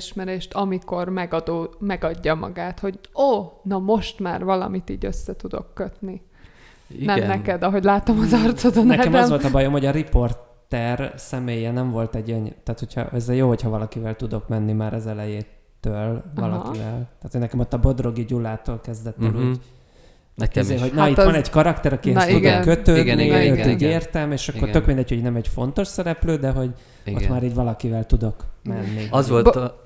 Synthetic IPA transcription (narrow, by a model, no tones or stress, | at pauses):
ʃmɛɾeːʃt̪ɒmiko̞rmɛɡɒd̪oːmɛɡɒɟːɒmɒ̰ɡaːt̪ho̞ɟoːnɒmo̞ʃt̪maːrvɒlɒ̰mit̪ḭːɟøsːɛt̪ud̪o̞̰kːøt̪ni | nɛmnɛkɛd̪ɒɦo̞ɟlaːt̪omɒnzɒrt̪sod̪onɛːɛmd̪ɛzʋo̞lt̪ɒbɒjo̞mho̞ɟɒɾipo̞rt̪ːɛrsɛmeːjɛnɛɱvo̞lt̪ɛɟøɲt̪aːt̪hocʰhɒ̰ʔɛzɛjoːho̞chɒvɒlɒkivɛlt̪ud̪okmɛnːimaːɾɒzɛlɛjeːt̪øːlɒlɒ̰kivɛlt̪aːt̪honɛkɛmo̞t̪ːɒbo̞d̪ro̞ɡiɟulːaːt̪oːlkɛzd̪ɛt̪ːeluːɟ | ɦoɟnit̪ɒnɛɟkɒɾɒkt̪ɛɾɒkiɛst̪ud̪okkːøt̪øːd̪niøt̪uːɟeːrt̪ɛmeːʃɒkːort̪økmind̪ɛɟ̥ho̞ɟnɛmɛɟfo̞nt̪o̞ʃsɛɾɛpløːd̪ɛɦo̞ɟ | ot̪maːɾiːɟvɒlɒkivɛlt̪ud̪o̞kmɛnːizʋol